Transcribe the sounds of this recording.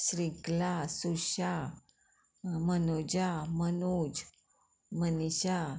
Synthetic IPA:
sɾiklasuɕa | mənod͡ʑamənud͡ʑ | məniɕa

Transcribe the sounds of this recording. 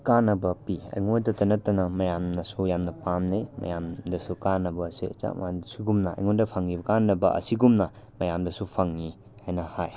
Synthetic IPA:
kanɐbɐpiɐ̰jŋojdɐtɐnɐtːɐnɐmɐjamnɐsujamnɐpamnejmɐ̰jamdɐsukanːɐbɐːsḭɐ̰t͡ʃa̰m̰adsuɡumnɐɐ̰jŋondɐpʰaŋːibɐkanːɐbɐ̰ʔɐ̰siɡumnɐ | mɐjamdɐsupʰaŋːi | hajnɐhaj

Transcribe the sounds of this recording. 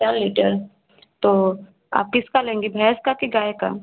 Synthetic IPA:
aːɾliʈəɾ | t̪o | a̰ːp̚kɪskalẽːŋɡibʱɛːskakiɡaːeka̰

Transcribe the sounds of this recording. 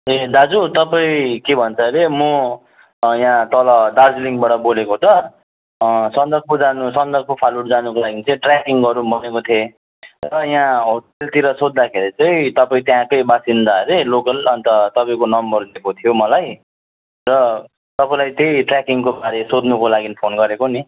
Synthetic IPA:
ed̪ad͡zut̪ʌpãĩkebʱʌnt͡sʰʌɾemu | jãt̪ʌlʌd̪ard͡zliŋbaɽʌbolekot̪ʌ | sʌnd̪ʌɡ̚pod͡zanusʌnd̪ʌr̚kopʰaluɽd͡zanukolaɡit͡sʌĩʈrjakiŋɡʌɾũbʌnekot̪ʰe | rʌjãɦoʈelt̪iɾʌsod̪̚d̪akʰeɾit͡sʌĩt̪ʌpaĩt̪jãkʌjbasind̪aɾelokʌlʌnt̪ʌt̪ʌpaĩkonʌmbʌrd̪kot̪ʰijomʌlaj | rʌ | t̪ʌpaĩlajt̪ejʈrjakiŋkobaɾesod̪nukolaɡinipʰonɡʌɾekoni

